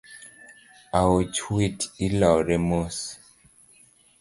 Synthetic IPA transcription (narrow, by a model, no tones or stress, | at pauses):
awot͡ʃwitilaɾemos